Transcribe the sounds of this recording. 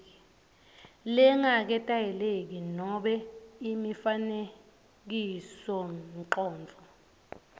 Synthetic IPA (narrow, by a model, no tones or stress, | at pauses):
lɛŋak̬ɛtʼajɛlek̬inɔɓɛimifane | k̬isɔǃɔːnd͡vʱɔ